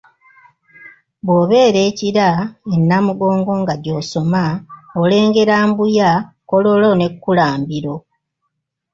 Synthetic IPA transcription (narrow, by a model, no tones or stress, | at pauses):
bwoːβe̞ːɾe̞ːciɾae̞nːamuɡo̞ːŋɡo̞ŋɡaɟo̞so̞maole̞ːŋɡe̞ɾaːmbuja | ko̞lo̞lo̞ne̞kːulaːmbiɾo̞